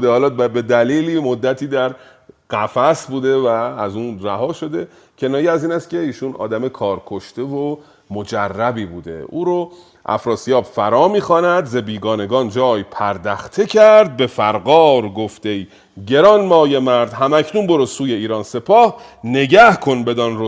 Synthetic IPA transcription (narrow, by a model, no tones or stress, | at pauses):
d̪ehːlɒːbe̞d̪æliːliːmod̪ːæt̪ʰiːd̪æɾ | ɢæfæsbuːd̪e̞væːzuːnɾæɦɒːʃo̞d̪e̞ | cʰe̞nɒːjiæziːnæst̪cʲe̞iːʃunʔɒ̰ːd̪æme̞kʰɒːɾkʰo̞ʃt̪e̞vo | mod͡ʒærːæbiːbuːd̪ḛuːɾo | ʔæ̰fɾɒːsijɒːbfæɾɒːmiːxɒːnæd̪zebiːɡɒːne̞ɡɒːnd͡ʒɒːjpʰæɾd̪æxt̪ʰecʰæɾd̪̚be̞fæɾɣɒːɾɡoft̪e̞i | ɟe̞ɾɒːnmɒːjemæɾd̪ɦæmæcʰnunbo̞ɾosuːjeiːɾɒːnse̞pʰɒːh | ne̞ɟæhkʰo̞nbe̞d̪ɒnɾo